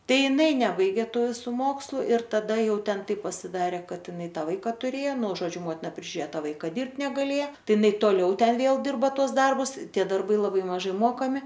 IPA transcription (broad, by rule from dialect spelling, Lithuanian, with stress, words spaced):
ˈtɐɪ ɪˈnɐɪ ˈnʲæːbɐɪɡʲeː ˈtuː ʋʲɪˈsuː ˈmoːkslˠʊ ɪr tɐˈdɐ ˈjɛʊ ˈtʲɛn ˈtɐɪp pɐsʲɪˈdɑːrʲeː ˈkɐt ɪˈnɐɪ ˈtɑː ˈʋɐɪkɐ tʊˈrʲeːjoː nʊ ʒoːˈd͡ʒʲʊ ˈmoːtʲɪnɐ pʲrʲɪʒʲʊˈrʲeːjoː ˈtɑː ˈʋɐɪkɐ ˈdʲɪrpt nʲɛɡɐˈlʲeːjɛ ˈtɐɪ ɪˈnɐɪ toːˈlʲɛʊ ˈtʲɛn ˈʋʲeːlˠ ˈdʲɪrbɐ ˈtuɔs ˈdɐrbʊs ˈtʲiɛ dɐrˈbɐɪ lˠɐˈbɐɪ mɐˈʒɐɪ ˈmoːkɐmʲɪ